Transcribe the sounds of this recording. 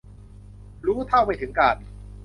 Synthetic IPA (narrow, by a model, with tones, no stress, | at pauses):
ɾuː˦˥t̪ʰa˥˩wma˧˩t̪ʰɯ˩˦ŋkaː˧˩n